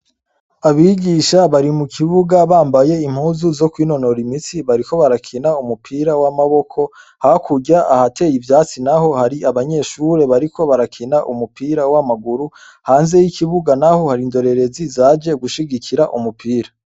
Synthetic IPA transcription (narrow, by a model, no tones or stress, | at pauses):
aβiɡiʃaβaɾimukʰiβuɡaβaːmbaje̞im̥huːzuzo̞kwiːno̞no̞ɾimit͡siβaɾiko̞βaɾakʰinaumupʰiːɾawamaβo̞kʰo̞ | hakʰuɟaʔahatʰe̞ːjivjaːt͡sinaho̞haɾiaβaɲe̞ʃuɾe̞βaɾikʰo̞βaɾakʰinaʔumupʰiːɾawamaɡuɾu | haːnze̞jikiβuɡanaho̞haɾindo̞ɾe̞ɾe̞zizad͡ʒe̞ɡuʃiɡikʰiɾaʔumupʰiːɾa